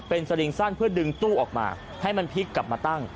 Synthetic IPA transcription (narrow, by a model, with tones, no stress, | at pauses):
pe˧nsa˧li˧ŋsa˥˩npʰɯ˥˩ɐdɯ˧ŋt̪uː˥˩ʔɔː˨˩k̚ma̰ː˧ | ha˥˩jma˧npʰi˦˥kːla˨˩p̚maː˧t̪a˥˩ŋ